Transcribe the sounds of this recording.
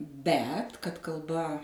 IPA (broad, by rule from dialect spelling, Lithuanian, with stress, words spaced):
ˈbʲɛt kɐt kɐlˠˈbɐ